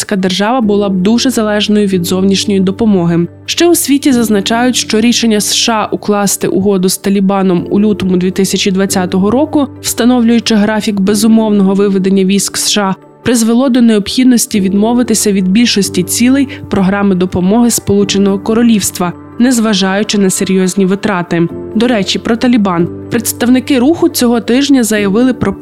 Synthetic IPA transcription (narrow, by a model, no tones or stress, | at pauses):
sʲkad̪erʒɑʋɐbʊlˠɑb̚d̪uʒɛzɐlˠɛʒnɔjʊʋʲid̪zɔwnʲiʃnʲɔjid̪ɔpɔmɔɦɪ | ʃt͡ʃɛwʊsʲʋʲitʲizɐznɐt͡ʃɑjʊtʲʃt͡ʃɔɾʲiʃenʲːɐsʃɑʔʊklˠɑst̪ɪ̰ʔʊɦɔd̪ʊst̪ɐlʲibɑnɔmṵlʲut̪ɔmʊd̪ʲʋʲit̪ɪsʲɐt͡ʃʲid̪ʋɐt͡sʲat̪ɔɦɔɾɔkʊw̥st̪ɐnɔwlʲʊjʊt͡ʃɪɦɾɑfʲikbezʊmɔwnɔɦɔʋɪʋed̪enʲːɐʋʲijsʲksʃɑ | pɾɪzʋelˠɔd̪ɔneɔbpxʲid̪nɔsʲtʲiʋʲid̪mɔʋɪt̪ɪsʲɐʋʲid̪bʲilʲʃɔsʲtʲit͡sʲilˠɛjpɾɔɦɾɑmɪd̪ɔpɔmɔɦɪspɔlˠut͡ʃenɔɦɔkɔɾɔlʲiwst̪ʋɐ | nɛzʋɐʒɑjʊt͡ʃɪnɐseɾʲjɔzʲnʲiʋɪt̪ɾɑt̪ɪd̪ɔɾɛt͡ʃʲipɾɔt̪ɐlʲibɑnpɾet̪st̪ɐwnɪkɪɾuxʊt͡sʲɔɦɔt̪ɪʒnʲɐzɐjɐʋɪlˠɪpɾɔ